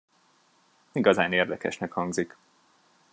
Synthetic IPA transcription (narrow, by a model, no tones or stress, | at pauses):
iɡɒzaːneːrd̪ɛkɛ̰ʃnɛkhɒŋɡzik